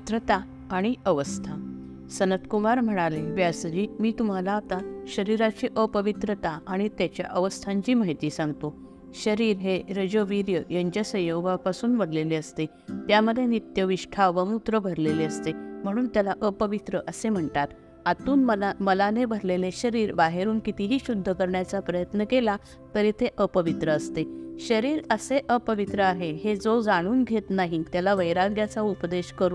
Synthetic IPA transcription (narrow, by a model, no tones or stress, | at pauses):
t̪ɾət̪a | aɽ̃iəʋəst̪ʰa | sənət̪kumaɾm̤əɽ̃aleʋjasd͡ʑiːmiːt̪um̤alaːt̪aɕəɾiɾat͡ɕiːʔəpəʋit̪ɾət̪aaɽ̃it̪jat͡ɕja̰ʔəʋəst̪ʰãɲt͡ɕiːmaɦit̪iːsãŋɡt̪o | ɕəɾiːɾɦeɾəd͡ʑoʋiɾjəjəɲt͡ɕasəjoʋapasuːnbəɾleleəst̪e | t̪jaməd̪ʱːenit̪jəʋiɕʈʰaʋəmut̪ɾəbʱəɾleleəst̪em̤əɽ̃uːnt̪jalaʔəpəʋit̪ɾəʔəsem̤əɳʈ̪at̪ | at̪uːnməaməlanebʱəɾleleɕəɾiːɾbaɦeɾuːnkit̪iɦiːɕud̪ʱːəkəɾɳjat͡sapɾəjət̪nəkela | t̪əɾit̪ʰeʔəpəʋit̪ɾəːst̪eɕəɾiːɾəseʔəpəʋit̪ɾəaɦeɦed͡zod͡zaɽ̃uːnɡʱet̪naɦit̪jalaʋəjɾaɡjat͡saupd̪eɕkəɾuː